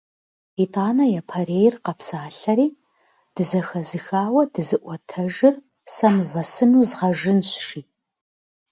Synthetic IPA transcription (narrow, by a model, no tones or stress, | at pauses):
itʼaːnɐjɐpʰɐreːjɪrqɐpsaːɬɐɾiː | d̥ɨzɐxɐzɨxaːwɐdɨzɨʔʷɔtʰɐʒɪr | sɐmvɐsɨnuːzʁɐʒɨnɕʂiː